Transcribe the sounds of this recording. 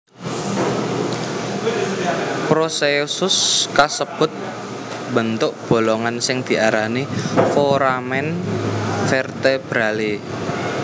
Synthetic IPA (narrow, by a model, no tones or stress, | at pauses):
pɾosesʊskasəb̥ʊ̤t̪̚ | bənt̪ʊʔ̚b̥o̤loŋansɪŋd̪̥i̤ʔaɾanifoɾamɛn | fɛrt̪eb̥ɾali